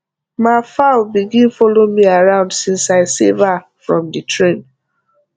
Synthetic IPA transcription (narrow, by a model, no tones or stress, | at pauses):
mafabiɡĩnfɔlomiaɹãʊ̃ndsĩnsaɪseva | fɹɔ̃mditʰɹẽn